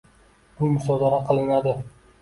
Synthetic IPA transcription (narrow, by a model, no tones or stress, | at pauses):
bʊmʊsɒd̪aɾaqʰɨlˠɪnad̪ɪ